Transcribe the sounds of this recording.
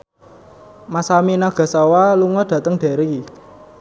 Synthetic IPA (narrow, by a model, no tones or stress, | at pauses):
masaminaɡ̥a̤sawaluŋɔd̥ä̤t̪əŋɖ̥e̤ɾi